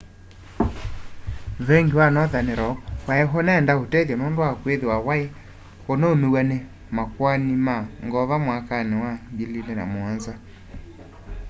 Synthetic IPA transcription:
ðɛŋɡiwanɔðaneɾɔkwaɛɦonaːndaotɛðjanondoakweðewawae | konaomewane | makwanimaŋɡɔβamwakanewaɡililɛna̰moanza

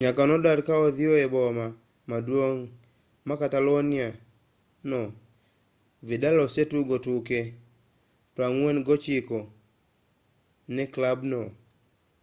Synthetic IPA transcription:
ɲakanɔdadkaɔðɪoɛbɔma | madwoŋ | makatalonɪa | nɔ | vidalɔsetuɡotuke | pɾaŋwenɡɔt͡ʃikɔ | nɛklabnɔ

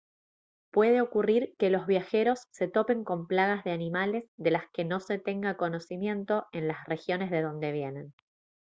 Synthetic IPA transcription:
pwe̞ð̞e̞o̞kuriɾke̞lo̞zβjaxe̞ɾo̞sːe̞t̪o̞pe̞ŋko̞mplaɣazðe̞animale̞zðe̞laske̞no̞se̞t̪e̞ŋɡako̞no̞simje̞nt̪o̞e̞nlasre̞xjo̞ne̞zð̞eð̞o̞nd̪e̞β̞je̞ne̞n

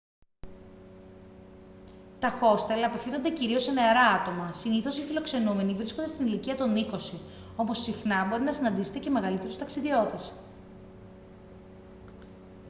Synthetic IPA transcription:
t̪ɐxo̞st̪elɐːpe̞fθinond̪e̞ciɾio̞seneɐɾɐɐt̪o̞mɐsiniθo̞sifilo̞kse̞nume̞nivɾiskond̪et̪iniliciɐt̪oniko̞si | o̞po̞sːixnɐbo̞ɾinɐsinɐnd̪ise̞t̪e̞ce̞me̞ɣɐlit̪e̞ɾust̪ɐksiðio̞t̪e̞s

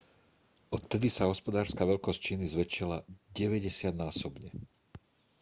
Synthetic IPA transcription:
ɔt̪ːɛd̪isaɦɔspɔd̪aːɾskaʋɛʎkɔsct͡ʃiːnizʋɛt͡ʃilaɟɛʋɛɟɛsɪad̪naːsɔbɲɛ

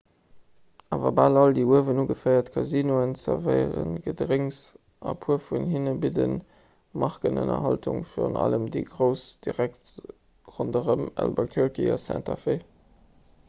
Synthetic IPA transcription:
aːvɐbaːlɑldiːuəvənuɡəfəɪɐtkʰɑziːnoənsəvəɪəʁənɡədəʁiŋs | ɑpʰuəfunhinəbidən | mɑχkənə̰nɐ̰ɦɑltuŋfiːʁənɑ̰ləmdiɡʀəʊsd̥iʁækt | ʁondəʁəmæ̰lbəkʰɛʁkiɑsæ̰̃ntʰɑfe

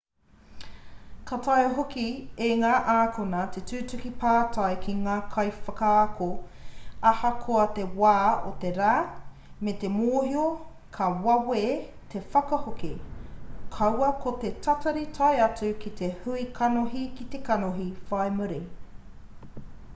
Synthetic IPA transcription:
kʰɐtʰɐjɦokieŋaːʔaːkʰonɐt̪ʰetʉːtʉkipʰaːtʰɐjkʰiŋaːkʰɐjfɐkakʰo | ɐhɐkʰoɐt̪e̞waːot̪eɾaː | met̪emoːhio | kʰɐwɐweː | t̪ʰe̞fɐkɐhoki | kʰɐwɐkʰot̪etʰɐtɐɾitʰɐjɐt͡sʉkit̪ʰehuikʰɐnoɦikit̪ekɐnoɦifɐemuɾi

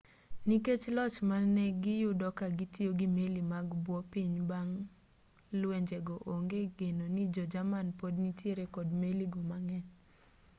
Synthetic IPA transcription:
niket͡ʃlɔt͡ʃmanɛɡɪjʊdɔkaɡitjoɡimelimaɡbwɔpiɲbaŋ | lweɲd͡ʒeɡɔʔoŋɡeɡenonid͡ʒɔd͡ʒamanpodnitjeɾekɔdmeliɡomaŋɛ

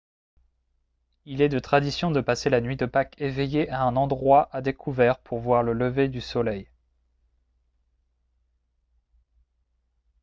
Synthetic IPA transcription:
ilɛd̪ət̪χad̪isjɔ̃d̪əpaselanɥid̪əpakevejeʔaɛ̃nɑ̃d̪ʁwaʔad̪ekʰuvɛʁpʰuʁvwaʁlələved̪ysɔlɛj

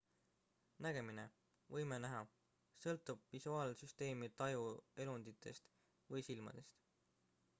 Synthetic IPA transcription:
næɡ̥e̞mine̞ | vɤjmenæɦɑ | sɤlt̪ːˑub̥visuɑːlsyst̪e̞ːmit̪ɑjue̞lund̪̥it̪ʰːˑe̞̰st̪ | vɤjsilmɑ̰d̪̥e̞st̪

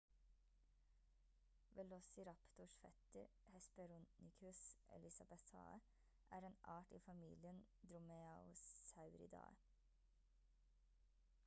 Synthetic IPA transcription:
ʋɛlɔsɪɾɑpt̪ʊʃfɛt̪əɾ | hɛspəɾʊnɪkʰʉsɛ̰lɪsɑbɛsɑ̰ːə | ʔæːɾeːnɑːʈiːfɑmiːlɪənd̪ɾʊmeɑʊssɑʉɾɪ̰d̪ɑ̰ː

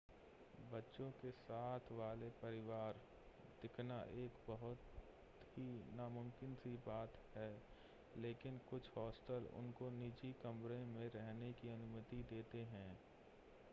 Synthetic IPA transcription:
bɐtːʃõkesaːt̪ʰʋaːlepɐɾɪʋaːɾ | d̪̥ɪkʰnaʔeːkbɐɦʊt̪ | ɦinaːmʊ̃mkɪnsibaːt̪ɦɛː | leːkɪnkʊt͡ʃʰhɔːsʈəlʊ̰nkoniːd͡ʒikɐmɾẽmẽɾɛɦnekiɐnʊmət̪id̪eːt̪eɦɛ̃ː

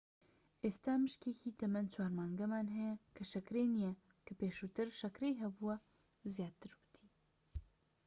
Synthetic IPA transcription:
ʔeːst̪aːmɨʃkeːkʰiːt̪ɐmɐnt͡ʃʰwaːɾmaːŋɡɐmaːnɦɛjɛkʰɨʃɐkɾeːnijɛ | kʰɨpeːʃut̪ɨɾʃɐkɾeːjɦɛbuwɐ | zjaːt̪ɨɾbɨ̥t̪ʰi̥ː

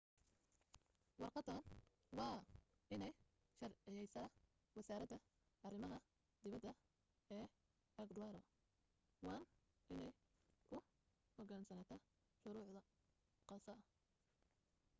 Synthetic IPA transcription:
wɑrqɑd̪ɐn | wɑː | ʔɪnɛj | ʃɐrʕɪjɛjsaː | wɑsaːɾɐd̪ɐ | ʔɐrɪmɐɦɐ | d̪ɪβɐd̪ɐ | ɛː | ɐɡd̪ʊwaːɾɔ | wɑːn | ʔɪnɛj | kʰʊ | hɔɡaːnsɐnaːt̪ʰɐ | ʃʊɾʊːʕd̪ɐ | qɑsɐɐ

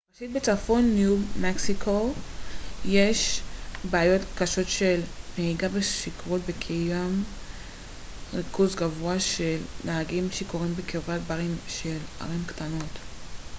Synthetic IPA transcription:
faʃit̚bet͡safo̞nːjumeksikʰo | jeʃbeajo̞tkaʃo̞tʃelmeiɡabeʃikʁot̚bekʰijam | ʁikuzɡavoaʃelnaaɡimʃeko̞ʁimbekevat̚baʁimʃela̰ʁimktano̞t

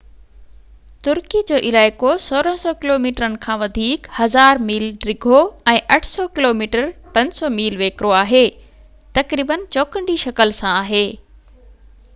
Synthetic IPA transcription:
t̪ʊɾkid͡ʑoːʔɪlaːɪkosoːɾəɦsɔkɪloːmiːʈɾənɪ̆kʰãːʋɐd̪ʱiːkhɐzaːɾmiːlɖɾɪɡʱoɛ̃ːʔɐʈʰsɔkɪloːmiːʈəɾpɐ̃ɲsɔmiːlʋeːkɾoaːɦeː | t̪ɐkɾiːbənt͡ɕɔːkə̃ɳɖiʃɐkəlsãaːɦeː

